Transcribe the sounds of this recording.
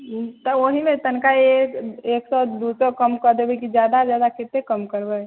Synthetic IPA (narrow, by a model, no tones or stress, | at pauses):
t̪ɔoɦimet̪ənkaeeːksɔd̪usɔkəmkəɾd̪ebekid͡ʒjaːd̪ad͡ʒjaːd̪akʰet̪ːekəmkəɾbe